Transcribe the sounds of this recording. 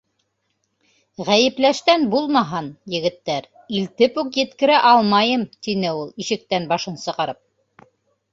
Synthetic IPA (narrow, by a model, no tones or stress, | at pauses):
ʁæjɘ̆plæʃt̪ænbulˠmɑɦɑnjɘ̆ɡɘ̆t̪ːæɾ | ilt̪ɘpukjɘ̆t̪kɘ̆ɾæʔɑlˠmɑjɤmt̪inɘulˠiʃɘ̆k̚t̪ænbɑʃɤnsɤ̆ʁɑɾɤp̚